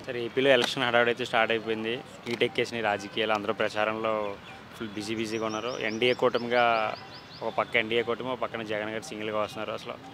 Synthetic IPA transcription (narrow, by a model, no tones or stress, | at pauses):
sɐɾe̞ːpiːlo̞ːelekʂɐnɦɐɽaːʋɽɐjt̪eːsʈaːɾʈɐjip̬oːjind̪i | iːʈekːeːsiniɾaːd͡ʒɐkijaːloɐnd̪ɐɾoːpɾɐt͡ʃaːɾɐmlo̞ː | fulbiːsiːbiːs̬iːɡaunːaːɾṵḛɳɖieːkoːʈɐmɡaː | ɔkɐpɐkːɐeɳɖiːeːkoːʈɐmɔkɐpɐkːɐnɐd͡ʒɛɡɐnɡaːɾisiŋɡɐlɡaːʋɐst̪unːaːɾuɐsɐlo̰ː